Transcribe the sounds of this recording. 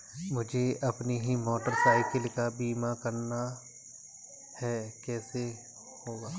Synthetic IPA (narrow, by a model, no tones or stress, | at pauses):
mʊd͡ʒʱeɐpniɦimɔːʈəɾsaːɪkəlkabiːmakɐɾna | hɛkɛːse | hoːɡaː